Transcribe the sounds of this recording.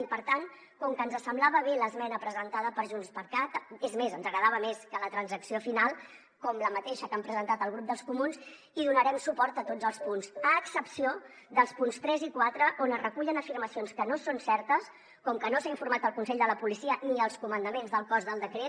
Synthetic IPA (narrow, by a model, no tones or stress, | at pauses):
pəɾt̪an | kɔŋkənzəsəmblaβəβeləzmɛnəpɾəzənt̪aðəpəɾʒunspəɾkat̪ezmezənzəɣɾəðaβ̞əmeskələt̪ɾənzəksiofinalˠ | kɔmləmət̪eʃəkampɾəzənt̪at̪əlˠɣɾup̚d̪əlˠskumunz | iðunəɾɛmsupɔɾt̪ət̪od͡zəlˠspunsəːksəpsio | ðəlˠspunst̪ɾɛzikwat̪ɾəʔonərəkuʎənəfiɾməsionskənosonsɛɾt̪əs | kɔŋkənosaiɱfuɾmat̪əlˠkunsɛʎd̪ələpulisiəniəlˠskumənd̪əmenzðəlˠkɔzðəlˠd̪əkɾet